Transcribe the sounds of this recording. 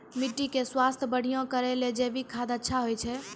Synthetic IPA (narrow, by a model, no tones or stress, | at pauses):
miʈːikeswast̪ʰəbəɽ̤ijɔ̃kəɾɛled͡ʒebikʰad̪ətːʃʰaɦojt͡ʃʰɛ